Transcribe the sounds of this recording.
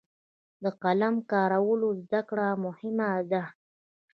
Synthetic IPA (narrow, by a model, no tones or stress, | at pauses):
d̪əqalamkɑɾawəlozd̪akɽamʊhɪmad̪a